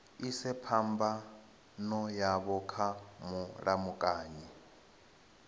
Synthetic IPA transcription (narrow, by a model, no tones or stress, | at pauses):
isɛpʰamba | nɔjaβɔkʰamuɺamukʼaːɲi